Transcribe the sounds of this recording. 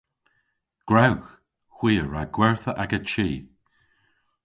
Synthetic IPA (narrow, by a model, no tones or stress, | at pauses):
ɡ̥ɹawx | xw̥iːəɹaɡ̥wɛɹθəʔaɡət͡ʃiː